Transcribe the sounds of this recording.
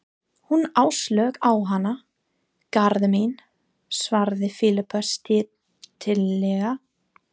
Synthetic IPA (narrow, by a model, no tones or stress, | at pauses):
hunaːwslœːkawɦanːa | kaɾðmejn | svaɾðɪfɪlɪpʰœst̪ɪ | t̪ʰɪlːɛɣa